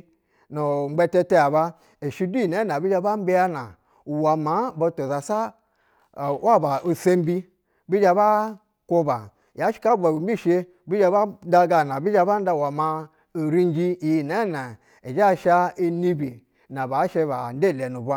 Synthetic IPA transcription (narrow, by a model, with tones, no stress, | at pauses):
nu˨ŋ͡m̩˦ɡ͡be˧te˧te˧a˨ba˦ | e˨ʃi˦du˦ji˨na˦na˨bi˦d͡ʒa˧ba˦m̩˦bi˦ja˦na˨ | wa˨ma˨˦bo˧to˨za˨sa˦˨ | wa˦˨ba˨ʔo˨se˦m˦bi˦ | bi˦d͡ʒa˧ba˦ | ko˧ba˨ | ja˨˦ʃi̥˦ka˦ba˨bi˨m˦bi˦˨ʃe˧ | bi˦d͡ʒa˧ba˦da˧ɡa˧˨na˨bi˦d͡ʒa˧ba˦n˦da˧˨wa˨ma˧ | o˨ɾi˦n˦d͡ʒi˦˨ji˨na˨˦na˨ | e˨d͡ʒa˦˨ʃa˧i˦ni˦bi˨ | na˨ba˨˦ʃe˧ba̰˨n̩˦de˦˨le˨nu˨ba˦